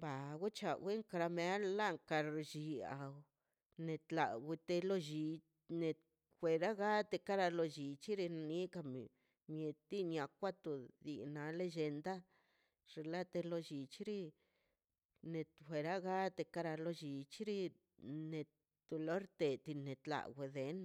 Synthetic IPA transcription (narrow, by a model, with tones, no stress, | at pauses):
ba˨ɡu˦t͡ʃa˨we˦ŋka˧ɾa˧me˧˦la˦ŋka˧ɾd͡ʒi˧a̰˨w | ne˨˧t̪la˨wi˧t̪e˧lo˧ʒi˧ | ne˨ | xʷe˧ɾa˦ɡa˦t̪e˧ka˦ɾa˧lo˧d͡ʒi˨t͡ʃi˦ɾi˧na˧ni˦ka˧m˨ | mje˨t̪i˦ɲʲa˨kʷa˦t̪u˨d̪i˨na˧le˦d͡ʒe˧nd̪a˦ | ʐ̥e˧˨la˦t̪e˧lo˧d͡ʒi˨t͡ʃi˦ɾi˦ | ne˧t̪xʷe˨˧ɾa˦ɡa˦t̪e˧ka˦ɾa˧lo˦d͡ʒi˨t͡ʃi˦ɾi˦ | ne˨˧ | t̪u˨lo˦ɾt̪e˨t̪i˧ne˨t̪la̰˨ɡwʷe˨d̪e˨˦n